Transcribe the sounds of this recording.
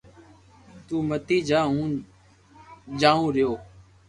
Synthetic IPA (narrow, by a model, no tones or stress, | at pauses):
t̪uːmət̪iːd͡ʒaːɦũː | d͡ʒaːũːɾɪjoː